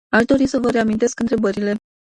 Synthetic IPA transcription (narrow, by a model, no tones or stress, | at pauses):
aʃd̪o̞ɾisəvəɾe̞amint̪e̞skɨnt̪ɾe̞bəɾile̞